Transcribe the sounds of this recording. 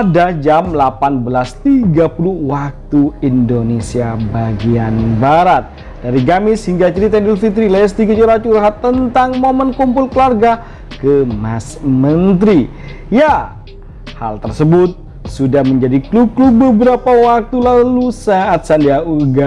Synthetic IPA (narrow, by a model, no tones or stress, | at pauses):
adad͡ʒamlapanbəlast̪iɡapuluhwak̚t̪uindonesiabaɡianbaɾat̪̚ | d̥aɾiɡamɪshiŋɡat͡ʃəɾit̪ɛndilfit̪ɾilajas̬t̪iɡat͡ʃuɾat͡ʃuɾɦat̪ːənt̪aŋmomənkumpʊlkəlarɡa | kəmasmənt̪ɾi | ja | ha̰lt̪ərsəbʊt̪̚ | sudahməɲd͡ʒadikluklubəbəɾapawak̚t̪ulalusaat̪̚sandiauɡa